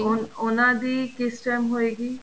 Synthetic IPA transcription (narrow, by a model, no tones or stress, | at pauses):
ononad̪ikisʈamɦojɡi